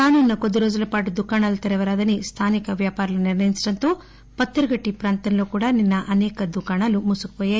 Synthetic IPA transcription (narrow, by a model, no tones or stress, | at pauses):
kaːnuːnːɐkod̪iɾoːd͡ʒɐlɐpaːʈud̪ukaːɳɐlut̪ɐɾɐʋɐɾaːd̪ɐnist̪ʰaːnikɐʋjaːpaːɾɐluniɾnɐjinsiʈɐnt̪oː | pɐt̪ːɐɾɐɡɐʈːipɾaːnt̪ɐnɐloːkuːɽaninːɐʔɐnɛːkɐd̪ukaːɳɐlumusukʋɐja